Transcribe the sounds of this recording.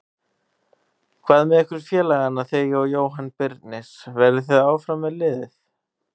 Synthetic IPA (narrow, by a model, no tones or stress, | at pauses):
kʰvaːðmɛðɛhkvʏɾ̥fjɛːlaɣanaθejɔjoːwɦanːpɪɾt̪nɪsvɛɾɪθeðaːwfɾamːɛðlɪːðɪθ